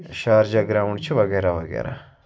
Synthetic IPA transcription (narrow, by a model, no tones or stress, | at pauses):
ʃaːɾd͡ʒaɡɾaʋuɳt͡ʃʰuʋɐɡeːɾaʋɐɡḛːɾa̰